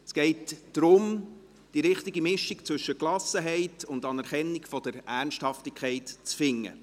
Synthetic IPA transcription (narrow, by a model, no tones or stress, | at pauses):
sɡ̥ɛɪtd̥ɾʊm | d̥iɾɪχtiɡimɪʃikt͡sʋɵʃəklɑsəɦɛɪtʊndɑnɛɾχɛnːikfɔd̥əɾæɾnʃthɑftikʰɛɪtt͡sfɪŋːə̰